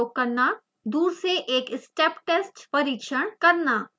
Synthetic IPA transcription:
oːkɐɾna | d̪uːɾsɾeʔeːkɪsʈeːpʈeːsʈpɐɾiːkʃəɽ̃kɐɾnaː

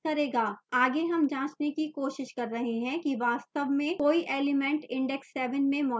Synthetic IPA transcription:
ɐɾeːɡaːaːɡeɦɐmd͡ʒãːt͡ʃnekikoːʃɪʃkɐɾːɐɦeɦɛ̃kiʋaːst̪əʋmẽkoːiʔeːlɪmɛ̃ɳʈɪ̃ɳɖɛksːɛːʋənmẽmɔː

